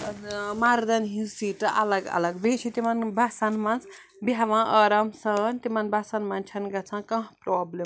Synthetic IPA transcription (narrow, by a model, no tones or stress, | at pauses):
maɾd̪ɐnɦĩsiʈɐʔɐ̰lɐɡɐ̰lɐɡbet͡ʃʰit̪imanbʱasɐnmɐnt͡s | bjaʋãʔəɾɐmsɐnt̪imɐnbʱasɐnmant͡ʃʰɐnɡɐt͡sʰãkɐ̃ɦpɾoːblem